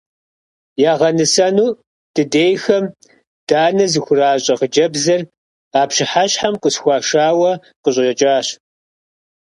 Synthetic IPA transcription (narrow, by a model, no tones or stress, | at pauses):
jaːʁɐnɨsɐnuː | d̥ɨdeːjxɐm | d̥aːnɐzɨxʷʊraːɕʼɐʁəd͡ʒɐbzɐr | aːpɕɪħaɕħamqʷʼəsxʷɑːʃaːwɐ | qəɕʼɐɕɐt͡ʃʼaːɕ